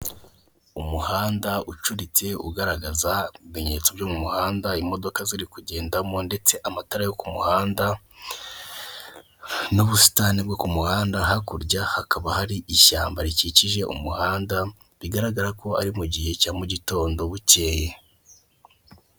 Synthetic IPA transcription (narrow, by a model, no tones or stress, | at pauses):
umuhaːndaut͡ʃuɾit͡se̞ṵɡaɾaɡazaimeɲe̞t͡sobjoːmumuhaːndaimo̞do̞kaziɾikuɟe̞ːndamo̞nde̞t͡se̞ʔamataɾajokumuhaːnda | nuβusi̥tanibɡokumuhaːndaɦakuɾɟahakaβahaɾiʔiʃaːmbaɾiciciʒe̞ʔṵmuhaːnda | βiɡaɾaɡaɾako̞a̰ɾimuɟihe̞camuɟito̞ːndo̞βuce̞ːje